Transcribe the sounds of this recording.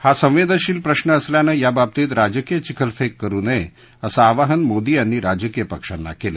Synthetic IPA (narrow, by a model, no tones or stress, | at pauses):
hasə̃ʋ̃ʋed̪ʱəɕiːlpɾəɕɳəːsljanəjabab̚t̪iːt̪ɾad͡ʑəkijət͡ɕikʰəlfekːəɾuːnəe | əsaːʋaɦənmod̪iːanːiɾad͡ʑəkijəpəkʂa̰nːa̰kela̰